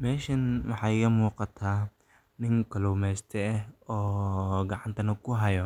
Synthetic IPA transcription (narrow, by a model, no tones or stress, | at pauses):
mɛːʃɐnwɑħɑːjkɐmuːqɑt̪ʰaː | nɪŋkʰɔlɔmɛːst̪ʰɛɦɔːɡɑʕant̪ʰɐnɐkʰʊɦɐjɔ